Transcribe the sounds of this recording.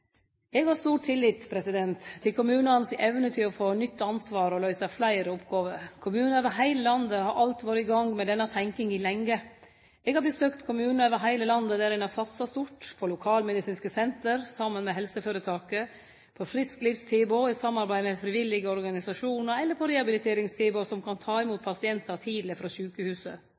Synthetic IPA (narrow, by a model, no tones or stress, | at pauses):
ɛɡhɑst̪uːʈ̚t̪ʰɪlːiːt̪pʰɾɛsɪd̪ɛnt̪t̪ʰːɪlkʰʊmʉːnənsɪʔɛʋnət̪ʰɪlɔfoːnʏt̪ːɑnsʋɑːɾɔlœʏsɑflæɪɾəɔpɡɑːʋəɾkʰʊmʉːnøʋəɦæɪləlɑnd̪əhɑɾʔɑlt̪ʋoːɾəɪɡɑŋmɛd̪ɛnːɑt̪ʰæŋkɪŋɪlɛŋːə | ɛɡhɑbəsøːkt̪kʰʊmʉːnn̩øːʋəɦæɪləlɑnd̪əd̪æːɾɪnɑsɑt̪sɑst̪ʊʈpʰɔlʊkʰɑːlmɛd̪ɪsiːnskəsɛnt̪əɾsɑmːənmɛɦɛlsəføːɾət̪ʰɑːkə | pʰɔfɾɪskliːʋst̪ʰiːbʊɪsɑmːɑɾbæɪmɛfɾɪʋɪlːɪɡəɔɾɡɑnɪsɑʂuːnəɾɛlːəɾpʰɔɾɛɑbɪlɪt̪ʰeːɾɪŋst̪ʰiːbʊsɔmkʰɑnt̪ʰɑːɛmuːt̪̚pʰɑsɪɛnt̪ət̪ʰiːd̪ləfɾɑːɕʉːkəhʉːsə̰